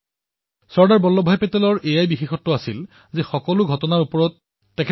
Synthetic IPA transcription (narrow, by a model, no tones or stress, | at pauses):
sɔɹdaɹbɔlːɔbʱajpɛtɛlɔɹʔejajbixexɔtːʊasil | zɛxɔkɔlʊɡʱɔtɔnaɹupɔɹɔt̚ː | ɛkʰ